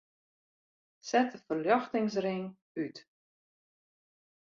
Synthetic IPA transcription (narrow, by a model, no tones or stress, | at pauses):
sɛtəfərljɔxtɪŋs̬rɪŋ | yt